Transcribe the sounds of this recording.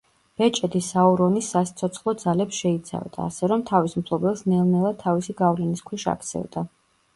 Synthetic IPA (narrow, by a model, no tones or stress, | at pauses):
b̥ɛt͡ʃʼɛd̪isaɔɾɔnisːast̪sʰɔt̪sʰχlˠɔd̪zalɛpsʃɛit̪sʰa̰vd̪a̰ːsɛɾɔmt̪ʰavisumpʰlˠɔbɛlˠsnɛlˠnɛlˠat̪ʰːavisiɡavlɛniskʰwɛʃa̰k̚ʰt̪sʰɛ̰vd̪a